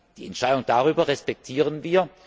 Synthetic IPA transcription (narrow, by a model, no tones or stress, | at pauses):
d̥iːɛntʃaɪdʊŋd̥aʁyːbɐʁɛspɛk̚tʰiːʁənviːɐ